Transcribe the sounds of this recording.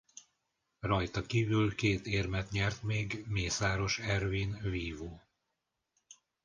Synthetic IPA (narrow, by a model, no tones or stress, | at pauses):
rɒjt̪ɒkiːvylkeːt̪eːrmɛt̪ɲɛrt̪meːɡmeːsaːɾo̞ʃɛrviːnviːvoː